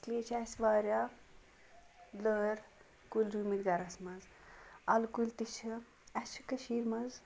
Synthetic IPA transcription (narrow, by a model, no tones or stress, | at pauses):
sliet͡ʃʰɐsʋaːɾja | ləɾ | kulʲɾuːmit̪ɡɐɾɐsmɐz | ɐlkult̪it͡ʃʰɨ | ɐt͡ʃʰu̥kɐʃiːɾmɐz